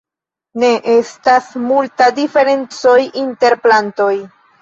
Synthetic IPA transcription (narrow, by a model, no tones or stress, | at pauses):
ne̞ʔe̞stasmultadife̞ɾe̞nt͡so̞jinte̞ɾplanto̞j